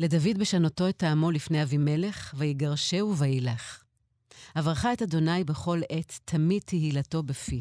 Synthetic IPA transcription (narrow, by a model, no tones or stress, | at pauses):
le̞davidbeʃanoto̞etaːmo̞lifneavime̞le̞χvajiɡaʁʃe̞uvajilaχ | havaʁχaetado̞najbe̞χo̞letʰːamid̚tʰehilato̞befi